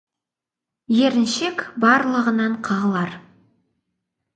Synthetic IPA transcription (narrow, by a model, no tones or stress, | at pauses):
jeɾɪnʃekbɑɾlˠəʁənɑɴqʰɑʁəlˠɑɾ